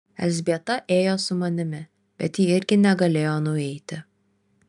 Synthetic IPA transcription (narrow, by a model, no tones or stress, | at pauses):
ɛ̰lʲzʲbʲiɛt̪ɐʔeːjoːsʊmɐnʲɪmʲɪ | b̥ʲɛt̪jiːɪɾʲɡʲɪnʲɛɡɐlʲeːjoːnʊɛɪt̪ʲɪ